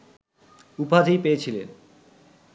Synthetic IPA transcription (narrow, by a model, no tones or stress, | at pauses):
upad͡ʑʱijpeet͡ɕʰilḛn